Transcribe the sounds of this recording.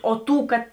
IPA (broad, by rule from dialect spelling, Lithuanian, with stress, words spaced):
oː ˈtuː kɐt